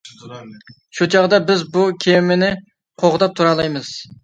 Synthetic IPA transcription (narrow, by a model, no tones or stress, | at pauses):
ʃut͡ʃʰɑʁd̪ɑbɪzbukʲʰemɪnɪ | qʰoʁd̪ɑp̚t̪ʰuɾɑlˠɑjmɨz̥